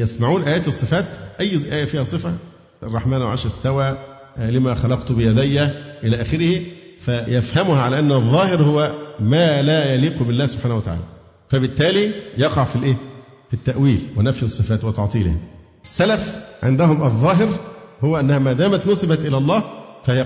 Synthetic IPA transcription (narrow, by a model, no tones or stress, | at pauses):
jæsmaʕuːnʔæjæːt̪ɨsˤːɨfæːt̪ʔæjːʔæːjæfiːhæsˤɨfæ | ɑrˤːɑħmæːnwʕɑ̰ʃɾst̪æwæː | lɪmæxɑlɑqt̪ubɪjæd̪ejːæʔɪlæːʔæːxɪɾɪhifæjæfhæmʊhʕalæʔænːɑðˤːɑːhɪɾhʊwːæmæːlæːjæliːqubɪlːæːhsʊb̥ħaːnhʊwæt̪aʕa̰ːlæ | fæbɪt̪ːæːlijɑqɑʕfilʔeː | fit̪ːæʔwiːlwɪnæfjɨsˤːɨfæːt̪wɑt̪ɑʕt̪ˤiːlɪ̰hæ̰ | ʔɪsːælæfʕḛnd̪æɦʊmʔɑðˤːɑːɦɪɾhʊwːæʔænːæhæmæːd̪æːmæt̪nosˤɨbæt̪ʔɪlælˤːɑːfææ